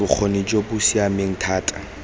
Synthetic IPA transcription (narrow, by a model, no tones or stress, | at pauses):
ʊk͡xʰonid͡ʒobʊsiameŋ̩tʰaːtʼa